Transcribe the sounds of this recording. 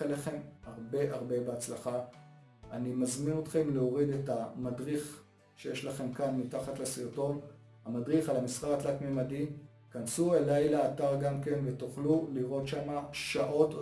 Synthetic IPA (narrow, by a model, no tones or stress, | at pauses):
eleχe̞mhaʁbe̞ʔaʁbe̞beat͡slaχa | animazmino̞t̪χe̞mleo̞ʁide̞tamadʁiχ | ʃejeʃlaχe̞mkanmitaχatlesijoto̞n | hamadʁiχalamisʁaat̪lakmemadi | kansuelajleataʁɡamke̞nve̞toχluliʁo̞tʃamaʃaʔo̞t